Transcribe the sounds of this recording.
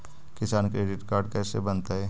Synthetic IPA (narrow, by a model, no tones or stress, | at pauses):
kɪsaːnkɾeːɖɪʈkaːɾɖkɛːsebɐnt̪aɦɛː